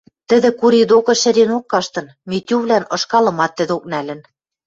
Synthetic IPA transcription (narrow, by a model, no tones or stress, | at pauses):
t̪ɘ̆ðɘ̆kuɾid̪okɤ̆ʃɘ̆ɾenokːɑʃt̪ɤ̆nmet̪ʲyβlænɤ̆ʃkɑlɤ̆mɑt̪ːɘ̆ðok̚nælɘ̆n